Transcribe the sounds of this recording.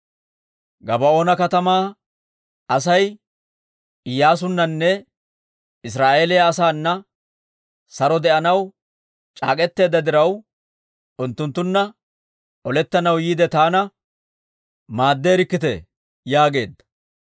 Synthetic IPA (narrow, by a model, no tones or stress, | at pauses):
ɡɐbɐo̞ːnɐkɐt̪ɐmaː | ɐsɐj | ɪjːaːs̬ʊnːɐnːɛ | ɪs̬ɾaːʔe̞ːlɛjaːsaːnːɐ | sɐɾɔd̪ɛʔɐnɐw | t͡ʃʼa̰ːkʼɛt̪ːe̞ːd̪ːɐd̪ɪɾɐw | ʊnt̪ːʊnt̪ːʊnːɐ | ɔlɛt̪ːɐnɐwjiːd̪ɛt̪aːnɐ | maːd̪ːeːɾɪkːɪt̪ɛ | jaːɡe̞ːd̪ːɐ̥